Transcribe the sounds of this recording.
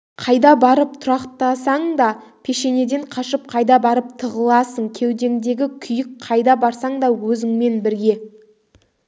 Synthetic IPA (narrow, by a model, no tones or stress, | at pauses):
qʰɑjd̪ɑbɑɾəp̚t̪ʰʊɾɑqt̪ɑsɑɴd̪ɑ | pʰe̞ʃe̞ne̞d̪e̞ɴqʰɑʃəp̚qʰɑjd̪ɑbɑɾəp̚t̪ʰəʁəlˠɑsəɴkʲʰe̞wd̪e̞ŋd̪e̞ɡʲɪkʲʰʏjɪk̚qʰːɑjd̪ɑbɑɾsɑɴd̪ɑwɵzɪŋme̞nbɪɾɡʲe̞